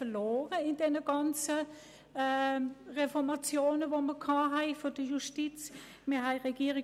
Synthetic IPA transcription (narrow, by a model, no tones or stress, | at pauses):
əloːʁəɪndɛnəɡ̥ɑnt͡sə | ʁefɔʁmɑt͡sjoːnəvoməkʰɑːɦɛɪfod̥əjuʃtit͡s | miːɐɦɛɪʁɛɡ̥iːəʁi